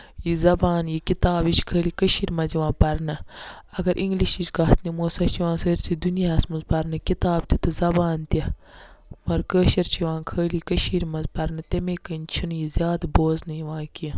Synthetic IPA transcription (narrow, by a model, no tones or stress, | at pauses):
jizɐbaːnjikit̪aːbit͡ʃkʰəːlikəʃiɾmɐziʋãːpɐɾnɐ | ɐɡɐɾʔiŋɡliʃit͡ʃɡɐɦt̪ʰnimoːsɐt͡ʃʰiʋãːnsɐːɾt͡sʰid̪unijaɐsmuzpɐɾnɐkit̪aːb̚t̪it̪ɨzɐbaːnt̪ʲɐ | mɐɾkəːʃɐɾt͡ʃʰiʋãːnkʰəːlikəʃiːɾmɐzpɐɾnɐt̪ɐmeːkənt͡ʃʰunjizʲjaːd̪boːznɐjiʋãːkiɐ